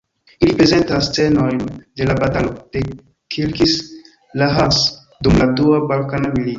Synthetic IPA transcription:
ilipɾe̞ze̞ntast͡se̞no̞jnde̞labatalod̥e | kʰilkis | laɦas | dumladuabalkanamilito

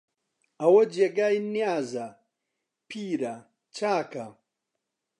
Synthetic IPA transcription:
ɐwɐd͡ʒeɡaːjnijaːzɐ | pʰiːɾɐ | t͡ʃʰaːkɐ

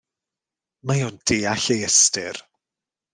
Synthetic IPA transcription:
majond̥eːaɬejɛstɪr

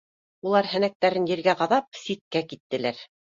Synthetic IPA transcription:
ulˠɑɾhɘ̆næk̚t̪æɾɘnjɘ̆ɾɡæʁɑðɑp̚sit̪̚kækit̪ːɘ̆læɾ

